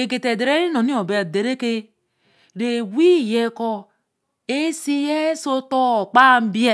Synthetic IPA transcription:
e˨ɡe˨te˨de˨ɾe˦ɾi˦no˨ni˦o˨be˨a˨de˨ɾe˦ke˦ | ɾe˨wi˦˨je˦ko˦ | e˦si˦je˦so˦to˦˨k͡pa˦˨m̩˦bi˦e˦˨

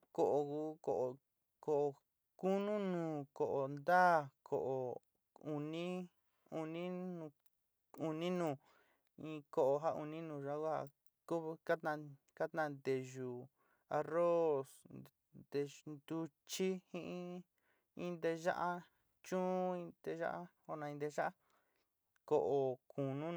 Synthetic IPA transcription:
ko˨ʔo˨ku˧˦ko˨ʔo˨ | ko˨ʔo˨˧ | ku˦nũ˦nũː˨ko˨ʔo˨nd̪aː˦˨kʰo̰˨ʔo˨ | u˨˧nĩ˦ | u˧nĩ˦nũ˧ | u˨nĩ˦nũː˨ | ĩ˧ko˧˨ʔo˧ɦa˦u˧nĩ˦nũː˧˨ʒa˦ku˦ha̰˧ | ku˦˧ka˦t̪nã˧ | ka˦t̪nã˧nd̪e˨ʒu˧ | a˧ro˦s | d̪e˧nd̪u˧ | t͡ʃi˦hĩ˦ʔĩ˦ | ĩ˧nd̪e˧ʒa˦ʔa˦ | t͡ʃũ˦ĩ˧d̪e˧ʒa̰˦ʔa˦ | o˧nã˧ĩ˧nd̪e˧˦ʒa˦ʔa˦ | ko˨ʔo˨˧ku˨nũ˦

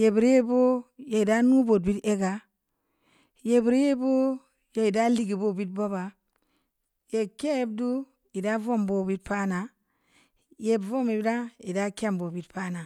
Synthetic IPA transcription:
je˨bi˨ɾe˦bo˦je˨i˨da˦nu˦bo˨t̚bi˦te˦ɡa˨ | je˨bi˨ɾje˦bo˦ | ja˦i˨da˦li˦ɡi˨bo˦bi˦t̚bo˦ba˨ | je˨ke˦je˦bdu˦ | i˨da˦vo˦˨mbo˨bi˦t̚pa˦na˨ | je˦bvo˦me˨bi˦da˦i˨da˦ke˦˨mbo˨bi˨˦tpa˦na˨

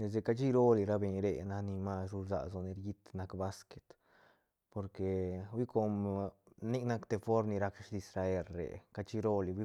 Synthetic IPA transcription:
ne˨s̬e˧ka˧t͡ʃi˦ɾo˦li˨˧ɾa˦be˧˨ɲɾḛ˧na˧ni˧ma˦˧sɾu˧za̰˨so˧ne˧ɾji˦t̪na˧kba˦ske̥˨t̪ | po˨ɾke˨wi˦ko˧m | ni˦kna˦kt̪e˧fo˦ɾni˧ɾa˧kʃi˧sɾa˧e˦˧lɾḛ˨ka˧t͡ʃi˦ɾo˦li˨˧wi˦

